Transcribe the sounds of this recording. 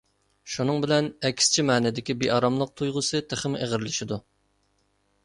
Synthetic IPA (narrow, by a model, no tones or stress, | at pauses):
ʃunɨŋbɪlɛnɛkʲst͡ʃʰimɛːnɪd̪ɪkʲibeʔɑɾɑmlˠəq̚t̪ʰujʁʊsɨt̪ʰəχɪmʔeʁɪɾlɪʃid̪u